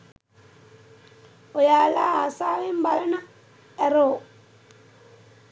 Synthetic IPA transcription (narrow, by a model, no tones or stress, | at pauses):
ojaːlaːaːsaːʋembalɐnɐ | ɛroː